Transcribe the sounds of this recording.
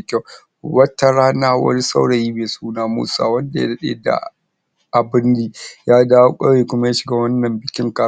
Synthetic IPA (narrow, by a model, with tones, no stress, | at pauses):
kʲa˦˨ | wɐ˦tːa˦ɾaː˦naː˦wɐ̰˦ɾi˦sa̰˦wɽɐ˨jiː˦meː˨suː˦naː˦mṵ˦sa̰ː˨wɐ˦nda˨ja̰˦dɐ˦ɗḛː˦da̰˨ | ʔa˨bɪ˦nːiː˦jaː˦daː˦wo˦kʷʼaː˦weː˨kʷʊ˦ma˦jaː˦ʃɪ˨ɡaː˦wɐ˦nːɐ˨mbɪ˨kʲɪ˦ŋkaː˨